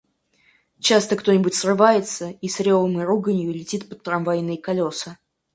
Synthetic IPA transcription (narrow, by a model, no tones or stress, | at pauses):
t͡ɕast̪əkt̪onʲɪbʊtʲsrɨvajɪt̪səisɾʲolˠəmɨruɡənʲjʊlʲɪtʲit̪pət̪ːɾɐmvɐjnɨkɐlʲo̞sɨ